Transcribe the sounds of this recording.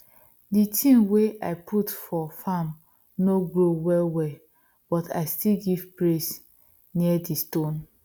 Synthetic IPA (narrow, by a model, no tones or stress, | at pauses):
ditʰĩnweʔa̰ɪpʰutfɔfam | noɡɹowɛlwɛ | b̥ɔtʰa̰ɪstilɡivpɹes | niɛdistõn